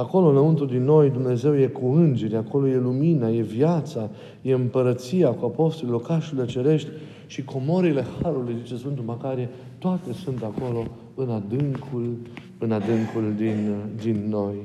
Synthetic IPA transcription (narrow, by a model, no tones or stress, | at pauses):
ako̞lonəunt̪uld̪inːo̞jd̪umne̞ze̞wje̞kuɨnd͡ʒe̞ɾʲako̞lo̞je̞luminaje̞vjat̪sa | je̞ɨmpəɾət̪sijakuapo̞st̪olilo̞rkaʃulilet͡ʃe̞ɾe̞ʃt̪ʲ | ʃikʰo̞mo̞ɾile̞haɾulujzit͡ʃe̞sfɨnt̪umakaɾie | t̪oat̪e̞sunt̪ako̞lo̞ | ɨnad̪ɨŋkʰul | ɨnad̪ɨŋkuld̪ind̪inːo̞j